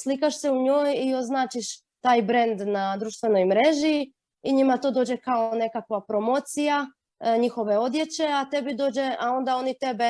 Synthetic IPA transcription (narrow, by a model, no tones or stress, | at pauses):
slikaʃse̞uɲoːjio̞znaːt͡ʃiʃ | t̪aːjbɾe̞nd̪nad̪ɾuʃt̪ʋeno̞jmɾe̞ːʒi | iɲimat̪o̞ːd̪od͡ʑe̞kao̞ne̞kakʋapɾo̞mo̞ːt̪sija | ɲixo̞ʋe̞o̞d̪je̞t͡ɕe̞at̪e̞bid̪o̞ːd͡ʑe̞ao̞nd̪ao̞nit̪e̞be